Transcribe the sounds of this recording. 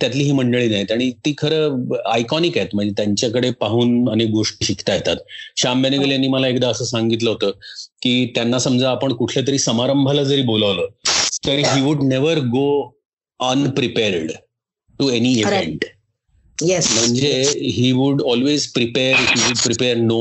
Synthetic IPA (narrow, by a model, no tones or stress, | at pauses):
t̪jat̪liːɦiːməɳɖəɭiːnaɦit̪aɽ̃it̪iːkʰəɾəːajkɔnikaet̪m̤əɳd͡zet̪jaɲt͡ɕjakəɽepaɦuːnənek̚ɡoʂʈiːɕikʰt̪ajet̪at̪ɕambaneɡəljanːiːməlaekd̪aəsəːsãŋɡit̪ləɦot̪əːkiːt̪janːasəmd͡zaːpəɳkuʈʰlat̪̬əɾiːsəmaɾəmbʱalad͡zəɾiːboləʋləːt̪əɾɦiːʋuɖneʋəɾɡo | ənpɾipeɾɖ | ʈueniːiʋẽɳʈ | jɛsm̤əɳd͡zeɦiːʋuɽɔlʋezpɾipeɾɦiʋuɖpɾipeɾno